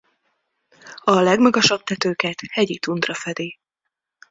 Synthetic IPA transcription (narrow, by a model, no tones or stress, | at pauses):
ɒlɛɡmɒɡɒʃɒb̥̚t̪ɛt̪øːkɛt̪hɛɟit̪und̪rɒfɛd̪i